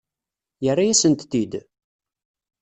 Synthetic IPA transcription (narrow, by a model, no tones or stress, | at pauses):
jərːajæsənt̪ːid̪